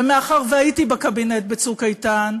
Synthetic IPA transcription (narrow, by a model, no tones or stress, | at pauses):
emeaχaʁveajitibakabinet̚bet͡sukajtan